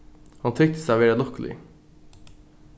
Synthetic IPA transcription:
hɑnt̪ʰʏk̚t̪ə̥sæʋeːɾəlɔkəlɪ̰

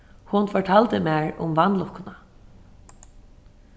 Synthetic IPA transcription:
hʊnfɔɹʈʰaːlt̪əmæːɹʊ̰mʋanlʊhkʊna

